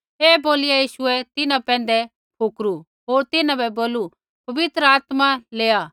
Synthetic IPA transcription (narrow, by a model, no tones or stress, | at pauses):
eːboːlɪjajiːʃʊɛt̪ɪnãpɛ̃ːn̆d̪ɛ | pʰukɾu | ɦoːɾt̪ɪnãbɛboːlu | pɐʋɪt̪ɾəaːt̪maleːaː